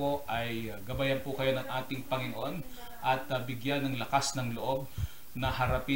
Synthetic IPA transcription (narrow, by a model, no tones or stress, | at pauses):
oʔɐjɡɐbajɐnpʊkɐjo̞nɐŋʔaːt̪ɪŋpɐŋɪnoʔo̞n | ʔɐt̪bɪɡjanːɐŋlɐkasnɐŋloʔo̞b̚ | nɐɦɐɾɐpi